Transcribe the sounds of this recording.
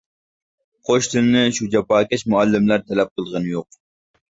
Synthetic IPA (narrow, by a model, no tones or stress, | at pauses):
qʰoʃt̪ʰɪlnɪʃud͡ʒɑpɑːkʲɛʃmuælːɪmlæɾt̪ʰɛlɛp̚qəlˠʁɨnɨjoq̚